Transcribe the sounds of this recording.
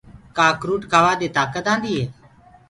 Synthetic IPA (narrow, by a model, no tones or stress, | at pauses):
kaːkɾuːʈkʰaːʋaːd̪eːt̪aːkət̪ãːnd̪iːɦeː